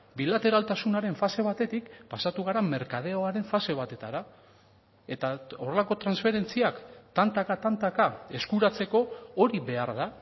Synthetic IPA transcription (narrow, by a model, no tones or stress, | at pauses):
bilat̪e̞ɾalt̪asunaɾe̞ɱfase̞β̞at̪e̞t̪ikpasat̪uɣ̞aɾame̞ɾkað̞e̞oaɾe̞ɱfase̞β̞at̪e̞t̪aɾa | e̞t̪ao̞re̞lako̞t̪ɾansfe̞ɾe̞nt͡siakt̪ant̪akat̪ant̪akae̞skuɾat͡se̞ko̞oɾiβe̞aɾða